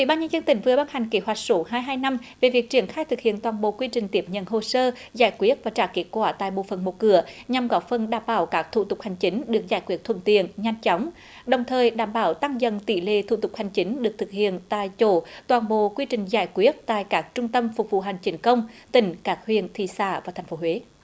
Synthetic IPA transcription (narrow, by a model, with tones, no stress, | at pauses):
ʔḭ˧˨ɓaː˧nɲə˧nzə˧nt̪ï˧˩ŋ̟vɨ˨˩əɓa˧nha˨˩jŋ̟ke˨˦ɦwa˨˩jk̟̚so˨˦ɦaː˧jɦaː˧jna˧mve˨˩vi˨˩ək̚t͡ɕi˧˩ənxaː˧jt̪ʰɨ˨˩k̚hḭ˧˨ənt̪waː˨˩nɓo̰˧˨kwi˧t͡ɕï˨˩ŋ̟t̪i˨˦˥əp̚ɲə̰˧˨nɦo˨˩səː˧ | zaː˧˩jkwi˦˥ət̚vaː˨˩t͡ɕa̰ː˧˩ke˦˥t̚kwaː˧˩t̪a̰ː˧˨jɓo̰˧˨fə˨˩nmo˨˩t̚kɨ˧˩əɲa˨˩mɣɔ˨˦˥fə˨˩nɗaː˧˩mɓaː˧˩wkaː˦˥k̚t̪ʰṵ˧˨˩t̪ʊ˨˩k͡p̚ha˨˩jŋ̟t͡ɕï˨˦ŋ̟ɗɨ˨˩ək̚zaː˧˩jkwi˦˥ət̚t̪ʰə̰˧˨nt̪ḭ˧˨ənɲa˧jŋ̟t͡ɕɔ˨˦wŋ͡m | ɗə˨˩wŋ͡mt̪ʰəː˨˩jɗaː˧˩mɓaː˧˩wt̪a˧ŋzə̰˧˨nt̪ḭ˧˩lḛ˧˨t̪ʰṵ˧˩t̪ʊ˨˩k͡p̚ha˨˩jŋ̟t͡ɕi˨˦ŋ̟ɗɨ˨˩ək̚t̪ɨ˨˩k̚hḭ˧˨ənt̪a̰ː˧˨jt͡ɕo˧˦t̪waː˨˩nɓo̰˧˨kwi˧t͡ɕï˨˩ŋ̟zaː˧˩jkwi˦˥ət̚t̪a̰ː˧˨jkaː˦˥k̚t͡ɕʊ˧ŋ͡mt̪ə˧mfʊ˨˩k͡p̚vṵ˧˨ɦa˨˩jŋ̟t͡ɕi˨˦nkə˧wŋ͡mt̪ï˧˩ŋ̟kaː˦˥k̚hwḭ˧˨ənt̪ʰḭ˧˨˩sa̰ː˧˩vaː˨˩t̪ʰɛ˨˩ŋ̟fo˨˦ɦwe˨˦